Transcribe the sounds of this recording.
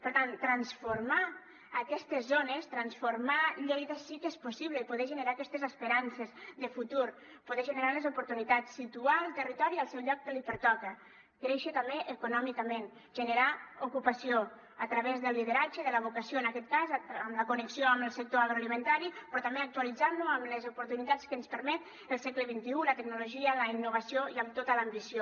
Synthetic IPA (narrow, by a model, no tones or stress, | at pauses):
pəɾt̪ant̪ːɾənsfuɾmaː | kɛst̪əzːonest̪ɾənsfuɾmaʎejðəsikespusiβləipuðɛʒənəɾaəkɛst̪ezəspəɾansezðəfut̪uɾ | puðeʒənəɾanəzupuɾt̪unit̪at͡sːit̪ualˠt̪ərit̪ɔɾiəlˠsɛwʎɔk̚d̪əlipəɾt̪ɔkə | kɾeʃət̪əmbeʔəkunɔmikəmẽn | ʒənəɾaukupasio | ət̪ɾaβezðəlˠːið̞eɾad͡ʒeðələβukasioənakɛt̪̚kazəmləkunəksioəməlˠsək̚t̪oaɣɾoalimənt̪aɾipɾɔt̪ambeak̚t̪ualid͡zanːuəmləzupuɾt̪unit̪at͡skənspəɾmɛt̪ | əlˠsɛkləβint̪iulət̪əɡnuluʒiələinːuβasioiəmt̪ot̪əlaːmbisio